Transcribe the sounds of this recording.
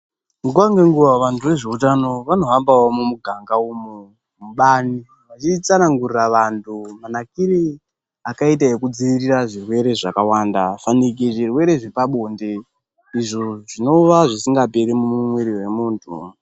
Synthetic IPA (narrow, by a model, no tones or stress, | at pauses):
muk̬uwaŋɡe̞ŋɡuʋaʋantʰuʋe̞ʐe̞utano̞ʋano̞ɦambawomumuɡʱaŋɡaumu | muɓani | ʋat͡ʃit͡sanaŋɡuriraʋantʰumanakiɾi | akait̬aekud͡ziʋiriraʐirwe̞ɾe̞ʐakawandafanik̬iʐirwe̞ɾe̞ʐipaɓo̞nde | iʐoʐino̞ʋaʐisiŋɡapeɾimuumweɾiwe̞muːntʰṵ